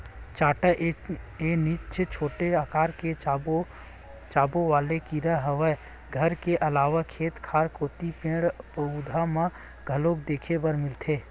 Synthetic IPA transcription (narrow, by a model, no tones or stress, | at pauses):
t͡ʃaːʈaʔenɪt͡ʃʰt͡ʃʰoːʈeaːkaːɾke | t͡ʃaːboʋaːlekiɾəɦəʋə | ɡʱəɾkeʔɐlaːʋakʰeːt̪kʰaːɾkoːt̪ipẽːɽpəud̪ʱamã | ɡʱəloːkd̪eːkʰebəɾmɪlt̪ʰeː